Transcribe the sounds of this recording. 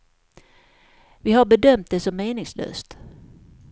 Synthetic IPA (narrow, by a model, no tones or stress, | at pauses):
vɪɦaɾbɛd̪œmt̪̚d̪ɛsɔmːeːnɪŋslø̰ːst̪